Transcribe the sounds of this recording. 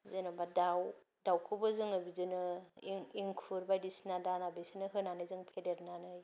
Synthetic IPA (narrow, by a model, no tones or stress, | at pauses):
zɯnabadaw | dawkʰɯbɯzɯŋabidɯnɯŋiŋkʰuɾbajdisnadanabesinɯɦɯnanɯjzɯŋpʰedeɾnanɯj